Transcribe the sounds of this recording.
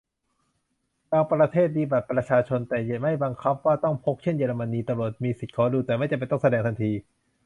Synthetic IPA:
kaː˧ŋpɾa˧t̪ʰeː˥˩t̪̚biː˧ba˨˩t̪̚pɾa˧t͡ɕʰaː˧t͡ɕʰo˧nt̪ɛː˨˩ja˨˩ma˥˩jbaː˧ŋkʰa˦˥p̚waː˥˩t̪ɔ˥˩ŋpʰo˦˥k̚t͡ɕʰe˥˩˨njeː˧ɾa˧ma˧niː˧t̪a˧mɾu˨˩ət̪̚miː˧si˨˩t̪̚kʰɔː˦˥˦duː˧t̪ɛː˨˩ma˥˩jt͡ɕa˨˩pa˧jt̪ɔ˥˩ŋsa˧dɛː˧ŋt̪ʰa˧nt̪ʰiː˧

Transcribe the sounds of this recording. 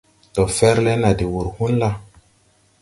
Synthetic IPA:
tɔ˨fɛ˦ɾlɛ˦na˨di˨wu˨ɾhu˦nla˦

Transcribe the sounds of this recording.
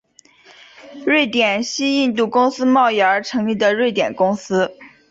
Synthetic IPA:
ɻwe˥˩ɪt̪jɛ˨˩nɕi˥i˥˧nt̪u˥˩kʊ˥ŋsɹ̩˥mɑ˥˧ʊi˥˩ə˞˧˥ʈ͡ʂʰɤ˧˥ŋli˥˩d̪ə˩ɻwe˥˩ɪt̪jɛ̰˨˩nkʊ˥ŋsɹ̩˥

